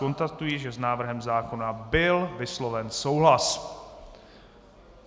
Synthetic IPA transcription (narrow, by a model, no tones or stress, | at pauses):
o̞nst̪at̪ujiʒɛznaːvr̩ɦɛmzaːko̞nabɪlvɪslovɛnso̞wɦlas